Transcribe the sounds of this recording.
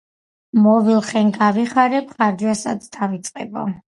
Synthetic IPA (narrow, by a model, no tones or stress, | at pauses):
mɔvilˠχɛŋɡaviχaɾɛpʰχaɾd͡ʒwasad̪sd̪avit̪sʼqʼɛ̰bɔ̰